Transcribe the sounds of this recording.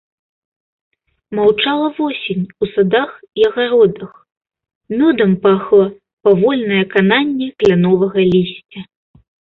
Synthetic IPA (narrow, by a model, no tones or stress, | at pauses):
mawt͡ʂalˠɐvɔsʲinʲusad̪ax | iɐɣaɾɔd̪ɐx | mʲɔd̪ɐmpaxlˠɐ | pavɔlʲnɐjɐkananʲːɛklʲanɔvɐɣɐlʲisʲt͡sʲɐ